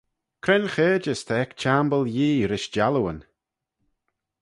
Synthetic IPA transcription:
kʰɾɛnxeːd͡ʒəst̪ʰəɛkt͡ʃambəlˠjiːɾɪʃd͡ʒaluwən

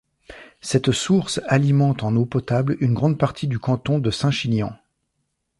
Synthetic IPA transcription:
sɛt̪suʁsalimɑ̃t̪ɑ̃nopɔt̪ablynɡʁɑ̃d̪paʁt̪ʰid̪ykɑ̃t̪ɔ̃d̪əsɛ̃ʃinjɑ̃

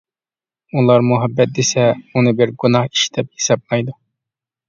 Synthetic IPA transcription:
ulˠɑɾmuɦɛbːɛt̪̚d̪esɛunɪbɪɾɡunɑhi̥ʃd̪ɛp̚hi̥sɑb̚lɑjd̪u

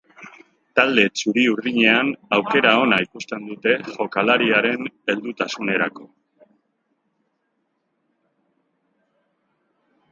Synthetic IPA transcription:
t̪ald̪e̞t͡suɾiuɾðiɲe̞anawke̞ɾao̞naikust̪e̞nd̪ut̪e̞ʝo̞kalaɾiaɾe̞ne̞ld̪ut̪asune̞ɾako̞

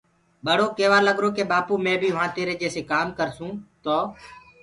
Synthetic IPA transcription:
ɓəɽ̤oːkeːʋaːləɠɾoːkeːɓaːpuːmẽːbʱiːɦʊʋãːt̪eːɾeːd͡ʒeːseːkaːmkəɾsũːt̪oː

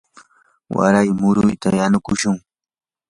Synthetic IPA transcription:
wa̰ɾajmʊɾʊjt̪ajanʊkʊʃʊŋ

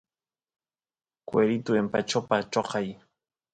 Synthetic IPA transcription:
kweɾit̪ʊempat͡ʃopat͡ʃoqɑj

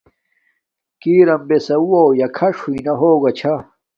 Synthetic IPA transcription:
kiːɾɐmbesɐuwowjɐkʰɐʂuinɐɦoːɡɐt͡ɕʰa

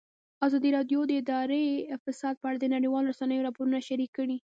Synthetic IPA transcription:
azɑd̪iɾɑd̪jod̪əɪd̪ɑɾefɪsɑd̪̚pəaɽad̪ənaɽəjwɑlɾasanəjoɾɑpoɾunaʃaɾikːəɽi

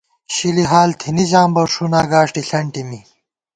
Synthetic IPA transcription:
ɕiliɦaːlt̪ʰiniʑaːmbɐɾʂunaːɡaːʂʈiɬɐɳʈimi

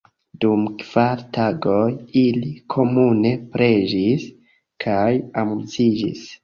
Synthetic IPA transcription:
dumkv̥aɾtaɡo̞jilikʰo̞mune̞pɾe̞d͡ʒis | kʰajamut͡sid͡ʒḭs

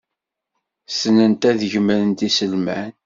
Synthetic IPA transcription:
sənənt̪æðʝəməɾənt̪isəlmæn

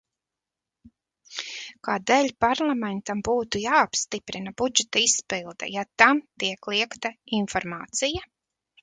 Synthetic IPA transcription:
kaːd̪ɛːlʲpaɾlˠamɛnt̪ambuːt̪ujaːapst̪ipɾinabud͡ʒɛt̪ɐispilˠd̪ɛ̰jat̪amt̪iɛklˠiɛkt̪ainfɔɾmaːt̪sija

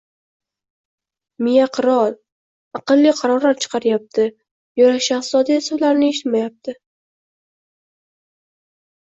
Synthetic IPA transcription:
mɪjaqʰɨɾɒl | ɑqɨlˠːɪqʰɑɾɒɾaɾt͡ʃʰɨ̥qʰɑɾɪjap̚t̪ʰɪ | jɒɾaʃat̪zɒd̪ajasalaɾnɪeʃɪ̥t̪majap̚t̪ʰɪ

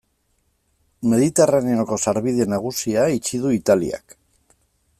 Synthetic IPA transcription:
me̞ðit̪e̞raneo̞ko̞saɾβiðe̞naɣ̞usiait͡ʃiðuit̪alḭa̰k

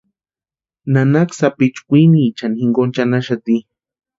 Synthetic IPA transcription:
nanaksapit͡ʃkʷiniːt͡ʃanixiŋɡont͡ʃanaʃat̪i

